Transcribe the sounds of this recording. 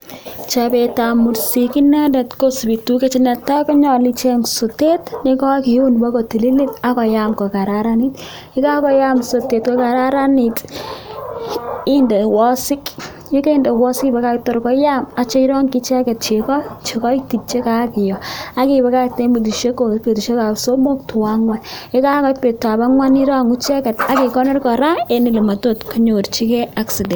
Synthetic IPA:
t͡ʃabɛ˨ta˨mu˨ɾsiki˦na˦dɛ˨tko˦sbi˨tu˦ke˦t͡ʃɪ˦na˨ta˦kɔ˦ɲɔ˨li˨t͡ʃe˦ŋso˨te˦tnɪ˨kɔ˦kiʊ˦nba˦kɔ˨ti˨li˦li˦ta˦kɔ˨jamkɔ˨ka˨ɾaɾa˦ni˦t | ɪ˦ka˦kɔ˨ja˦mso˨te˨tkɔ˨ka˨ɾaɾa˦nit | ɪ˦nde˨wɔ˦sɪ˦k | jɔ˦ke˦i˦ndɛ˨wɔ˦sɪ˦kba˨ka˦ktɔ˨ɾkɔ˦ja˦ma˨t͡ʃɔ˦i˦ɾɔ˦ŋkɪ˦t͡ʃɛ˦kɛ˨t̚t͡ʃe˨kɔ˦t͡ʃe˨kɔ˦iti˨t͡ʃe˦ka˦kɪ˨jɔ˨a˦kiba˨ka˦k̚te˦mbu˨d̬u˨ʃe˦ko˨ke˨pe˨tu˨ʃe˦ka˨pso˦mo˦k̚tʊ˨wa˦ŋwa˦nɪ˦ka˦kɔ˨pe˨tːa˨ba˦ŋwa˦ni˦ɾa˦ŋu˦t͡ʃɛ˦kɛ˨ta˨˦ke˨kɔ˦nɔ˦rkɔ˨ɾa˦e˦ni˨lɛ˨ma˨to˦tku˦ɲo˨rt͡ʃi˦kɛ˦a˦ksi˨dɛ˨

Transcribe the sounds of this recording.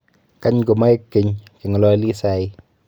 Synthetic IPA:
ka˦ɲɡo˨ma˦e˦kːe˨ɲki˨ŋɔ˨lɔ˦li˦sa˨ɪ˦

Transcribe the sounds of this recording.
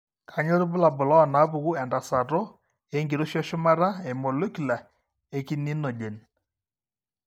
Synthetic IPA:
kʰa˨ɲo˦ɾu˦bʊ˦la˨bʊ˨lɔ˦ɔ˨na˨˦pu˨ku˦ɛ˨nda˨sa˨ɾɔ˦ | e˦ŋɡi˨ɾo˦ʃɔ˦ʃʊ˦ma˦ɾa˦e˨mɔ˨lo˦ki˨la˨ | e˦ki˦ni˦no˨d͡ʒe˨n

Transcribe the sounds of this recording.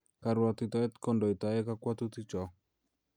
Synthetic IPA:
ka˨ɾwa˨t̪i˨t̪a˨ɛ˦t̪kɔ˦ndɔ˨i˨t̪a˨ɛ˦ka˦kwa˦t̪u˦t̪i˦t͡ʃɔ˨

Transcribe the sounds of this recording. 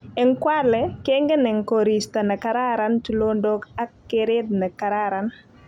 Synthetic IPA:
ɛ˨ŋkwa˦lɛ˨ke˦ŋɡe˦nɛ˨ŋkoɾi˨sta˨na˨ka˨ɾa˦ɾa˦ntu˨lo˦ndo˦ka˦kːɪɾɪ˦d̪̚nɐ˨ka˨ɾaɾa˨n

